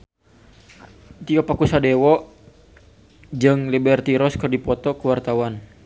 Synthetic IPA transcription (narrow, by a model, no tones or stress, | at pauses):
t̪iɔpakusadɛwɔʔ | d͡ʒɨŋlibɛrt̪iɾɔskərdipɔt̪ɔkuwart̪awan